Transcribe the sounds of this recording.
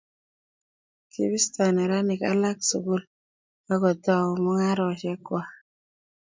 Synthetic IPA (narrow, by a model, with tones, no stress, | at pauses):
kʰḭ˦bi˦sta˨ne˨ɾa˦ni˨ka˦la˦ksu˨ɡu˦l | ma˦ɡɔ˨ta˦˨wmɔ˦ŋa˦ɾɔ˨ʃɛ˦kwa˨